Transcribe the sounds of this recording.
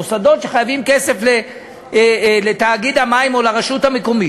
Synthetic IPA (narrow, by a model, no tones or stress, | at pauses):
osad̪o̞t̪ʃe̞χajavimkese̞fle | let̪aːɡid̪hamaimo̞laʁaʃut̪hameko̞mi